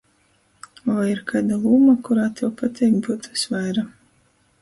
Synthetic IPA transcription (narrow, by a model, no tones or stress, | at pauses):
vajiɾkaːd̪alˠuːmakuɾaːt̪ʰɛwpat̪ʰʲɛːkbuːt̪u̥svajɾa